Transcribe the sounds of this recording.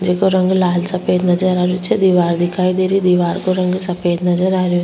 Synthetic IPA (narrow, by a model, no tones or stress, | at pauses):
d͡ʒɐkoɾɐŋɡulaːlsɐpeːd̪nɐd͡ʒɐɾaɾut͡ʃːed̪iʋaːɾd̪ikaːjd̪iɾid̪iʋaːɾkoɾɐŋɡusɐpeːd̪nɐd͡ʒɐɾaːɾu